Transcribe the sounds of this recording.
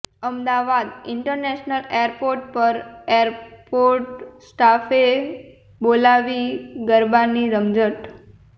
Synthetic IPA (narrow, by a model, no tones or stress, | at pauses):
əmd̪aʋad̪ɪɳʈəɾnɛʃnəlejɾpoɾʈ̚pəɾeəɾpoɾʈsʈafe | bolaʋiɡəɾbaniɾəmd͡ʒəʈ